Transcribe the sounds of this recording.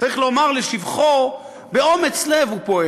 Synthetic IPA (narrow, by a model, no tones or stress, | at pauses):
aʁiχlo̞maʁleʃivχo | be̞o̞met͡slevupo̞e